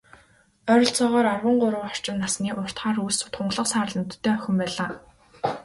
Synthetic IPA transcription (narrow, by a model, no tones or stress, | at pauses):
œɾʲɞ̆ɬt͡sɔːʁɔːɾarwə̆ɴɢʊɾə̆wɔr̥t͡ɕɪ̆nːasniːʔʊr̥t̪χaːɾust̪χʊɴɢɮə̆qsaːrɮə̆nt̪ʰːeːœxʲɪ̆mpæːɮaː